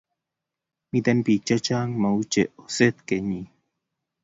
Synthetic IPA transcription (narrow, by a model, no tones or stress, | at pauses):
mit̪enpit͡ʃət͡ʃaŋmaut͡ʃeʔoset̪keɲi